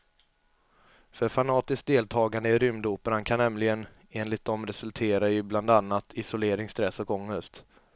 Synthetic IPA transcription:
fœɾfanɑːt̪ɪsk̚d̪eːlt̪ʰɑːɡand̪əɪɾʏmd̪uːpəɾankʰanːɛmlɪɡən | eːnlɪt̪̚d̪ɔmɾɛsɵlt̪ʰeːɾaʏbland̪anːat̪ʰɪsʊleːɾɪŋst̪ɾɛsːɔkɔŋːəst̪

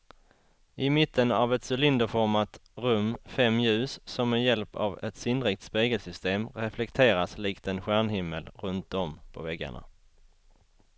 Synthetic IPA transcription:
ʔɪmɪt̪ʰːənavɛt̪sɵlɪnd̪əfɔɾmat̪ɾɵmːfɛmːjʉ̟ːsːɔmːɛjɛlpa̰vɛ̰t̪sɪnd̪ɾɪːk̚t̪speːɡəlsʏst̪eːmɾɛflɛkt̪ʰeːɾasliːkt̪ɛnɧæɳhɪmːəlɾɵnt̪̚d̪ɔmpʰɔvɛɡːa̰ɳa̰

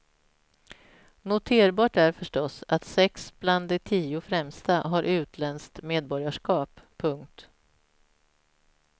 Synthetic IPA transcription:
nʊt̪ʰeːɾbɑːʈæɾfœʂʈɔsat̪sɛksb̥land̪ɛt̪ʰiːʊfɾɛmst̪aɦaɾʔʉ̟ːt̪ʰlɛnskt̪meːd̪̚bɔɾjaʂkɑːpʰːɵŋkt̪

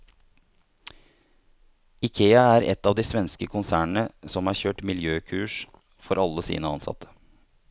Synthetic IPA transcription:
ɪkʰeːɑæɾʔɛ̰t̪ːɑːʋd̪iːsʋɛnskəkʰʊnsæːɳɳ̩əsɔmhɑːçøːʈmɪljøːkʰʉːʂ | fɔɾʔɑlːəsḭːnəɑnsɑ̰t̪ʰə̥

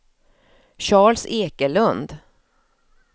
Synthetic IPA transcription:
ɕɑːɭseːkəlɵnd̪

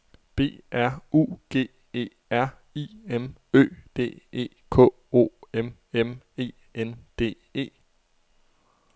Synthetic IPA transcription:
b̥e̝̰ːæɐ̰ṵːɡ̥e̝̰ː | e̝̰ː | æɐ̰ | iːemø̰ːd̥e̝̰ːe̝̰ːkʰɔ̰̽ː | o̝̰ːemem | e̝̰ː | end̥e̝̰ː | e̝̰ː

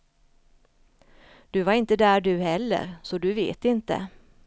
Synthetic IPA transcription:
d̪̥ɵvaɾɪnt̪əd̪æːɖɵhɛlːə̰ɾsɔd̪ɵvḛːt̪ɪnt̪ə̰

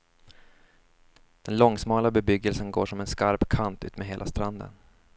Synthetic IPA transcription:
d̪̥ɛnlɔŋsmɑːlabɛbʏɡːəlsənɡo̰ːʂɔmɛnskaɾpkʰant̪ʉ̟ːt̪mɛɦeːla̰st̪ɾand̪ə̰n

